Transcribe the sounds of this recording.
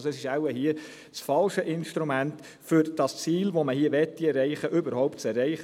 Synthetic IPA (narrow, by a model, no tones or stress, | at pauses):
soɛsɪʃæwəɦiə | sfɑlʃəʔɪnʃtɾumænt | fʏɾd̥ɑst͡siːlʋoməhiəʋɛtːiɛrɛɪχəʔʏbəɾhɔʊptt͡sɛrːɛɪχ